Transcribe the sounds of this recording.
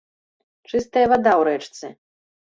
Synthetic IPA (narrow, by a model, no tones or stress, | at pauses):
t͡ʂɨst̪ɐjɐvad̪awɾɛt͡ʂt̪sɨ